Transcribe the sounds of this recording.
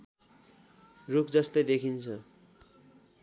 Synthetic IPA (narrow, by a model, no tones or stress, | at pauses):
rukʰd͡zʌst̪ʌjd̪ekʰint͡sʰʌ